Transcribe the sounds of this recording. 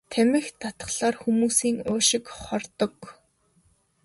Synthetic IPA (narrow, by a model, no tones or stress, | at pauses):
t̪ʰæmʲɪ̆xt̪ʰat̪ə̥̆χɮaːrxumuːsiːŋʊːʃɪ̆kχɔrt̪ɞ̆k